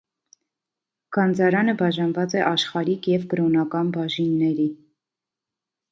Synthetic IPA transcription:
ɡ̥ɑnd͡zɑɾɑnəbɑʒɑnvɑt͡sɛʔɑʃχɑɾikjɛvɡəɾɔnɑkɑnbɑʒinːɛɾi

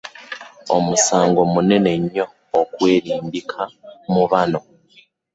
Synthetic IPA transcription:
o̰musaːŋɡo̞munene̞ɲoː | kweːɾiːmbikʰamuβano

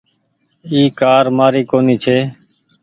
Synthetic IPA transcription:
iːkaːɾmaːɾiːkoːniːt͡ʃʰeː

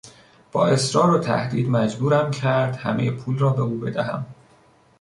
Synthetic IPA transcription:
b̥ɒ̰ːe̞sɾɒːɾot̪ʰæ̰hd̪iːd̪mæd͡ʒbuːɾæmcʰæɾd̪hæ̰mejepʰuːlrɒːbe̞uːbe̞d̪æɦæ̰m

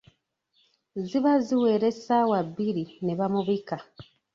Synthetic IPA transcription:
ziβaziweɾesawaβiɾineβamuβika

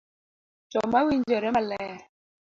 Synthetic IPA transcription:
t͡ʃɔmawind͡ʒɛɾɛmalɛ

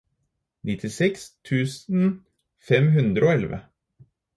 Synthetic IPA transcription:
nɪt̪ʰɪsɛkst̪ʰʉːsn̩ | fɛmɦʉnd̪ɾəoːɛlʋə̰

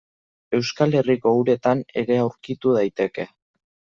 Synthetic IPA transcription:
e̞wskale̞riko̞uɾe̞t̪ane̞ɾe̞awɾkit̪uð̞ajt̪e̞ke̞

